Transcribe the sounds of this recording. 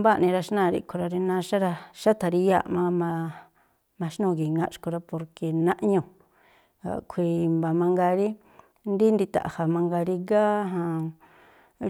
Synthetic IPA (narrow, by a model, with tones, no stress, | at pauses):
ba˦nĩ˧ɾa˧ʃnã˦˨ɾḭ˧kʰo˧ɾa˧ɾi˧nã˧ʃa˦ɾa˧ʃa˦t̪ʰa˨˧ɾi˧ja̰˦˨ʔmã˧mã˧ | mã˧ʃnũ˦˧˨ɡi˨ŋɡã̰˦˧ʔʃko˧ɾa˧po˧ɾke˨nã˦ʔɲũ˧ | a̰˨kʷʰi˧mba˨mã˧ŋɡa˧ɾi˦ | nd̪i˦nd̪i˧t̪a̰˨ʔa˨ha˨mã˧ŋɡa˧ɾi˧ɡa˦ɦã˧